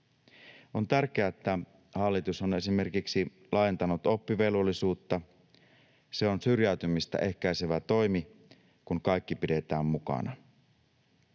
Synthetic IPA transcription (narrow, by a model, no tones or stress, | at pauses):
o̞nt̪ærk̟eæet̪ːæ | hɑlːit̪usone̞sime̞rkiksi | lɑːjent̪ɑnut̪o̞pːiʋelolːisuːt̪ːɑ | se̞o̞nsyrjæyt̪ymist̪æ̰ʔe̞hkæjse̞ʋæt̪o̞jmi | kuŋkɑjkːipide̞t̪æːmmukɑ̰nɑ